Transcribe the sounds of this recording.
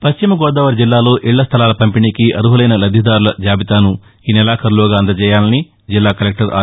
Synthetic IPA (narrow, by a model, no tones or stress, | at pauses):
pɐɕt͡ʃimɐɡɔːd̪ɐːʋɐɾd͡ʒilːaːlo̞ːʔiɭːɐst̪ʰɐlaːlɐpɐmpiɳikiʔɐɾuɦɐlɐjnɐlɐd̪ʱːid̪aːɾulɐd͡ʒaːbit̪aːnu | iːnɛlaːkʰɐɾlɔːɡaːɐnd̪ɐt͡ʃɛːjaːlɐni | d͡ʒilːaːkɐlek̚ʈɐɾʔa̰ː